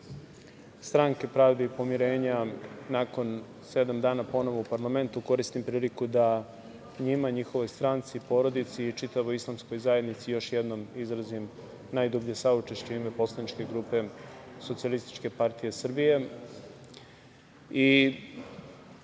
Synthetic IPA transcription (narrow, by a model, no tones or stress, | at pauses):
st̪ɾaŋke̞pɾaːvd̪eipo̞miɾe̞ːɲanaːko̞n | se̞d̪amd̪aːnapo̞no̞ʋo̞upaɾlˠame̞nt̪uko̞ɾist̪impɾiːlikud̪a | ɲimaɲixo̞ʋo̞jst̪ɾant̪sipo̞ːɾo̞d̪it̪siːt͡ʃit̪aʋoislˠamsko̞jzaje̞d̪nit̪sijo̞ʃjed̪nomizɾazim | naːjd̪obʎesaut͡ʂeʃt͡ɕuime̞po̞slˠanit͡ʃke̞ɡɾupe̞sotsialist̪i̥t͡ʃke̞paɾt̪ijesr̩bije̞ | i